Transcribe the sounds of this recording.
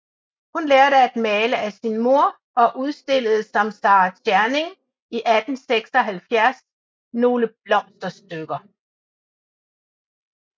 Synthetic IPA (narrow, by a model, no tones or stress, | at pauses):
hunleːɐɾəæd̥mɛːləæsinmo̝ɐ̰ | ɒ̽ʔuð̞ˠsd̥e̝ləð̞̩ˠsɒ̽msɑ̈ːʁsʰjæɐne̝ŋ | iʔæd̥n̩seɡ̥sɒ̽ɦælfjæɐs | no̝ːləb̥lɒ̽m̰sd̥ɐsd̥øɡ̥ɐ